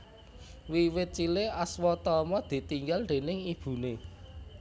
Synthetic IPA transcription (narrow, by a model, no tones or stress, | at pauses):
wiwɪt̪̚t͡ʃileʔaswɔt̪ɔmɔd̪̥i̤t̪iŋɡalnd̪̥e̤nɪŋib̥ṳne